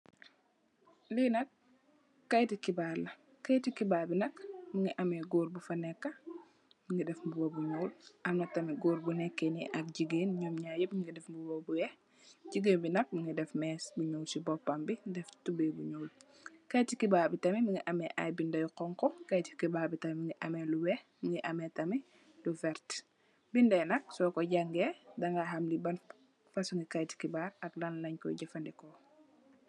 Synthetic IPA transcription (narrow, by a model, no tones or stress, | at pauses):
linɐkː | ɐjtikibaːlɐ | kɐjtikibaːbinɐkmɐŋɡiʔɐmɛɡoːɾbufɐnɛkːɐ | miŋɡidɛfmbubɔbuɲoːlʔɐmnɐtɐmiɡoːɾbunɛkːɛniʔɐk̚ɟiɡeːnɲoːmɲaːjɛbiɡidɛfmbubɔːbujɛ | ɟiɡeːnbinɐk̚miŋɡidɛfmɛːsbuɲoːlsibɔpːɐmbidɛftubɛbuɲoːl | kɐjtikibaːɾbitɐmimiŋiʔɐmɛʔa̰jbindɐjqɔŋkɔkɐjti̥kibaːbitɐmimiŋɡiʔɐmɛluwɛ | miŋɡiʔɐmɛtɐmi | lufɛɾt | bindɛjnɐk̚sɔkɔɟɐŋɡɛdɐŋɡaɦɐmlibɐn | fɐsuŋɡikɐjti̥kibaːɾɐklɐnlɐɲkɔ̰ɟɐfɐndɛkɔ